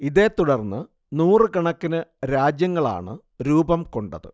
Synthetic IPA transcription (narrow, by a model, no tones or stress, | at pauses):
iðe̞ːt̪uɽɐrnːɨ | nuːrɨkɐɳɐkːinɨɾaːd͡ʑjɐŋːɐɭa̰ːɳɨ | ɾuːbɐmko̞ɳɖɐðɨ̰